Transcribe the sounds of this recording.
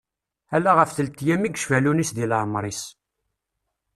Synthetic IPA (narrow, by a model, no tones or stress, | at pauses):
ælːæʁəfθəlt̪ːjæmiɡʃvælunisðilʕəmɾˤis